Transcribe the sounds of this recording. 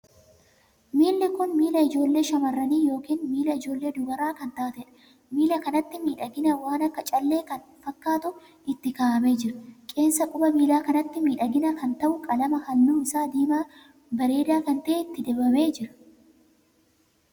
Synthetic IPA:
miːlːɪkʊnmiːlɐɪd͡ʒo̞ːlːe̞ːʃɐmɐrːɐniːjo̞ːkiːnmiːlɐɪd͡ʒo̞ːlːe̞ːd̪ʊɡɐɾaːkɐnt̪aːt̪ɛᶑɐ̥ | miːlɐkɐnɐt̪ːɪmiːᶑɐɡɪnɐwaːnɐkːɐt͡ʃʼɐlːe̞ːkɐnfɐkːaːt̪ʊ | ʔɪt̪ːɪkaːʔɐme̞ːd͡ʒɪɾɐkʼe̞ːnsɐkʼʊbɐbiːlaːkɐnɐt̪ːɪmiːᶑɐɡɪnɐkɐnt̪ɐʔʊkʼɐlɐmɐhɐnːuːɪsaːd̪iːmaː | bɐɾe̞ːd̪aːkɐnt̪ɐʔeːɪt̪ːɪd̪ɛːbɐme̞ːd͡ʒɪɾɐ̥

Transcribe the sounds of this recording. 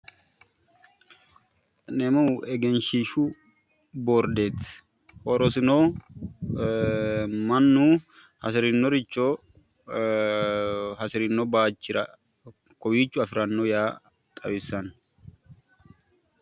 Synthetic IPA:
nɛmɐwɛɡɛnʃiʃu | boːɾd̪eːt̪ | hoɾɔsɪnoː | mɐnːu | hɐsɪɾɪnːɔɾɪt͡ʃːoː | hɐsɪɾɪnːɔbaːt͡ʃːɪɾɐ̰ | kɔwiːt͡ʃːʊɐfɪɾɐnːojaː | t̪ʼɐwɪsɐn

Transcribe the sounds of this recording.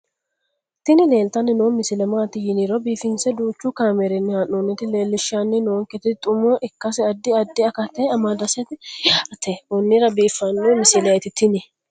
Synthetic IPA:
t̪ɪnɪle̞ːlt̪ɐnːɪnoːmɪsɪlɛmaːt̪ɪjɪniɾɔbiːfɪnsɛd̪uːt͡ʃːʊkaːmɛɾɛnːɪhanoːnɪt̪ɪle̞ːlːɪʃanːɪnoːŋkɛt̪ɪt̪ʼʊmɔʔɪkːɐsɪɐd̪ːɪɐd̪ːɪɐkɐt̪ːɛɐmad̪ɐsɛt̪ɪjɐt̪ːeʊnːɪɾɐbiːfːɐnːomɪsɪlɐɛt̪ɪt̪ɪnɪ

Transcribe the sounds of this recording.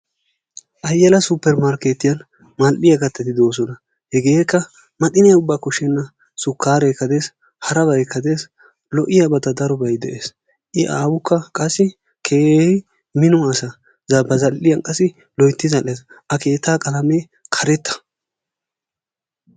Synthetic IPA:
ʔɐjːɛlɐsupːɛɾmaɾkeːt̪ːɪjɐn | mɐlʔɪjɐɡɐt̪ːɛt̪ɪd̪o̞ːs̬ɔnɐ | hɛɡe̞ːkːɐ | mɐt̪ʼɪnɪjɐʊbːaːkɔʃɛnːɐ | sʊkːaːɾekɐd̪e̞ːs | hɐɾɐβɐjkʰːɐd̪e̞ːs | lɔʔɪjɐbɐt̪ɐd̪ɐɾɔbɐjd̪ɛ̰ʔeːs | ʔɪʔaːwʊkːɐkʼɐsːɪ | kʰeːɪ | mɪnʊɐsɐ | zɐbɐzɐlːɪjɐnkʼɐsɪ | lɔjt̪ːɪzɐlːeːs | ɐke̞ːt̪ːaːkʼɐlɐmeː | kʰɐɾɛt̪ːɐ̥

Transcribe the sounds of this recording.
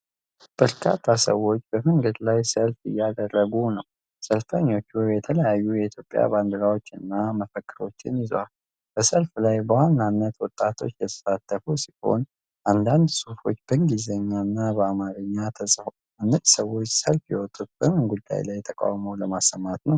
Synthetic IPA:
b̥əɾkʰat̪ʰːasəwo̞t͡ʃːb̥əməŋɡəd̪lajsəlfɨ̰jːad̪ərːəɡunəw | səlfəɲːo̞t͡ʃːujɛt̪ʰələjajːujɛit̪ʰjopʼːja̰band̪əɾawo̞t͡ʃːɨnːaməfəkʼːɨɾo̞t͡ʃːɪnjɪzal | b̥əsəlflajbəwanːanːət̪wɔt̪ʼːat̪ʰo̞̰t͡ʃːjɛt̪ʰə̥sat̪ʰːəfusiho̰n | ʔand̪and̪sufo̞̰t͡ʃːbəŋɡizəɲːanːabəamaɾɨɲːat̪ʰəsʼfo | anːət̪səwːo̞t͡ʃːsəlfjɛwɔt̪ʼːut̪̚b̥əmɨnɡud̪ːa̰jlajt̪ʰəkʼa̰wmowləmasːəmːat̪nəw

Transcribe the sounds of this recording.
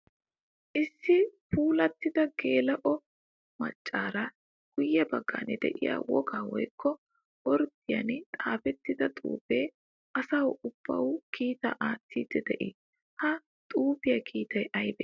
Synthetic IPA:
ʔɪsːɪpʰuːlɐt̪ːɪd̪ɐɡeːlɐʔɔ | mɐ̰t͡ʃʼːaːɾɐ | ɡ̥ʊjːɛbɐɡːɐ̰nɛd̪ɛ̰ʔɪja̰ːwɔ̰ɡaːwɔ̰jkʰːɔ | ɔɾd̪ɪjɐ̰nt̪ʼaːfɛt̪ːɪd̪ɐt̪ʼṵːpeː | ɐsɐwʊb̥ːɐ̰wkiːt̪ɐʔaːt̪ːiːd̪ɛd̪ɛʔɪ | hɐ | t̪ʼuːpɪjɐkʰiːt̪ɐjʔɐjbɛ

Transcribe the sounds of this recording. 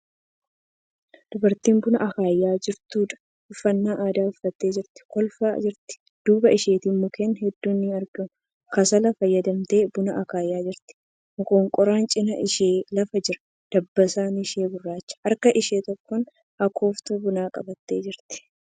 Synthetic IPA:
d̪̥ʊbɐɾt̪iːnbʊnɐʔɐkaːjːaːd͡ʒɪɾt̪uːᶑ̪ɐ̥ | ʊfːɐnːaːʔaːd̪aːʊfːɐt̪ːe̞ːd͡ʒɪɾt̪ɪ̥kɔlfa̰ːd͡ʒɪɾt̪ɪ̥ | d̪̥uːbɐʔɪʃeːt̪iːmːʊkeːnhɛd̪ːuːnːɪɐɾɡɐmʊ | kɐsɐlɐfɐjːɐd̪ɐmt̪e̞ːbʊnɐʔɐkaːjːaːd͡ʒɪɾt̪ɪ̥ | mʊkoːŋkʼɔɾaːnt͡ʃʼɪnɐʔɪʃeːlɐfɐd͡ʒɪɾɐ̥ | d̪̥ɐbːɐsaːnɪʃe̞ːbʊrːaːt͡ʃːɐ̥ɐɾkɐʔɪʃe̞ːt̪ɔkːɔn | ɐkʰo̞ːft̪uːbʊnaːkʼɐ̰bɐt̪ːe̞ːd͡ʒɪɾt̪ɪ̥

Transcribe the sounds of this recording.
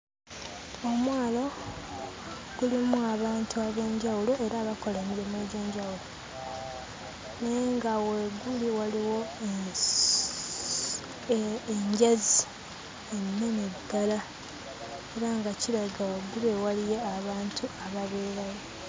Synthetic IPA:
omwaːlo̞ | ɡ̥ulimuaβaːntuaβe̞ːɲɟawulo̞e̞ɾaːβako̞lamiβemeɟeːɲɟawulo | neŋɡaweɡuliwaliwo̞ | eɲɟazi | enːenedala | eɾaŋɡaciɾaɡaweɡulewalije̞aβaːntʰuaβaβeːɾajo

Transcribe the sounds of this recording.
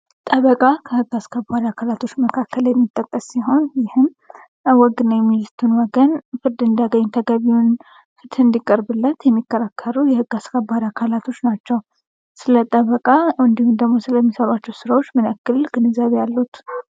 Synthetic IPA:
t̪ʼəβəkʼakʰəhɨɡːaskʰəbaɾakʰalat̪ʰo̞t͡ʃːməkʰakːəljɛmːit̪ʼːəkʼːəsːiɦo̞njɪhɨm | wɔɡɨnəwjɛmːilɨt̪ʰunwɔɡənfɨɾd̪ɨnd̪aɡəɲːt̪ʰəɡəβiun | fɨt̪ʰɨnd̪ikʼəɾbɨlːət̪jɛmːikːəɾakʰːəɾujɛhɨɡ̥ːaskʰəbaɾakʰalat̪ʰo̞t͡ʃːnat͡ʃːɛw | sɨlət̪ʼəβəkʼaɨnd̪ihumd̪əɡmo̞sɨləmːisəβat͡ʃːɛwsɨɾawo̞t͡ʃːmɨnəkːɨlɡ̥ɨnɨzaβjalːut̪

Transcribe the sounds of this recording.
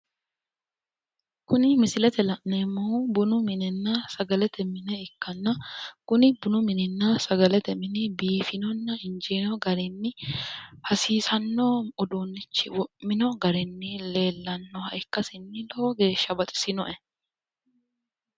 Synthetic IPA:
kʊnɪmɪsɪlɛt̪ɛlɐʔnemːʊbʊnʊmɪnɛnːɐsɐɡɐlɛt̪ʰɛmɪnɛɪkːɐnːɐkʊnɪbʊnʊmɪnɛnːɐsɐɡɐlɛt̪ɛmɪnɛbiːfɪnɔnːɐɪnd͡ʒɛnɔɡɐɾɛnːɪ | hɐsiːsɐnːoːɔd̪onːɪt͡ʃːɪwɔʔmɪnɔɡɐɾɛnːɪle̞ːlːɐnːɔhɐjkːɐsɪnːɪloːɡe̞ːʃːɐbɐt̪ʼɪ̥sɪnɔʔɛ

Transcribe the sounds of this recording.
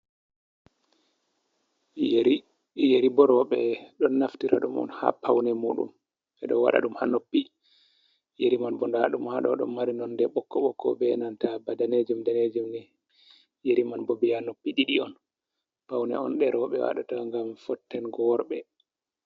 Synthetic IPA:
jeɾibɔɾɔɓɛɗɔnːaftiɾa̰ɗumɔ̰nha̰pʰawnɛmuːɗṵm | ɓɛɗɔwa̰ɗa̰ɗumhanːopːi | jeɾimanbɔndaɗumhaɗɔ̰ɗɔmːaɾinɔndɛɓɔkːɔɓɔkʰːɔ̰bɛnantabadaned͡ʒumdaned͡ʒumnɛ | jeɾimanbɔbihanːopːiɗiɗiɔn | pawnɛ̰ɔnɗɛɾɔɓɛ̰wa̰ɗa̰taŋɡamfɔtːɛnɡɔɾɓɛ

